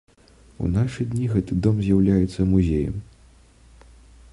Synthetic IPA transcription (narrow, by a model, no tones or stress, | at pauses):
ṵnaʂɨd̪ʲnʲiɣɛt̪ɨd̪ɔmzʲjawlʲajɛt̪sːɐmuzʲejɐ̰m